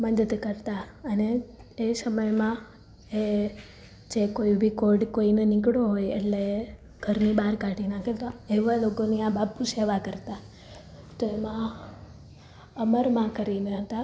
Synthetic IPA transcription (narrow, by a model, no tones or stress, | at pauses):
məd̪əd̪kəɾt̪aəneːsəməjmã | e | d͡ʒekoibʱikoɾɖkoinenikɽoɦojḛʈle | ɡ̥ʱəɾnibaɾkaʈinakelt̪oeʋalokoniãbapːuseʋakəɾt̪a | t̪oemã | əməɾmãkəɾineɦət̪a